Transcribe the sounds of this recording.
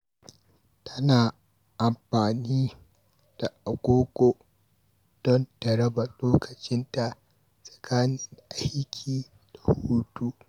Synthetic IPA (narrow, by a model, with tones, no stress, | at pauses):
tʰɐ˦naː˨ | ʔa˨mɸaː˨niː˦ | d̥a˨ʔa˨ɡʷoː˦kʷo˨ | d̥ɔ˦ndɐ˨ɾɐ˦ba˨loː˦kʰɐ˨t͡ʃɪ˦nta˨ʔ | sʼɐ̥˨kʰaː˦nɪ˦ŋʔa˦jjkʲʰiː˨ | d̥a˨huː˦tu˦ʔ